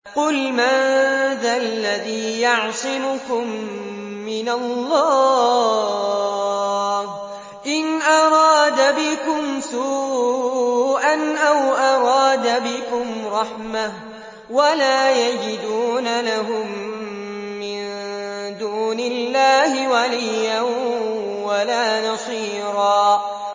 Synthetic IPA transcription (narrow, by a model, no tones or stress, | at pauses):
qʊlmaðalːaðiːjɑʕsˤɪmʊkʊmː | ɪnalːɑː | h | ʔɪnʔɑɾˤɑːd̪abɪkʊmsuː | ʔanʔawʔɑɾˤɑːd̪abɪkʊmɾˤɑħmah | walaːjad͡ʒɪd̪uːnalaɦʊmː | ɪnd̪uːnɪlːaːhɪwalɪjːan | walaːnɑsˤiː | ɾɑː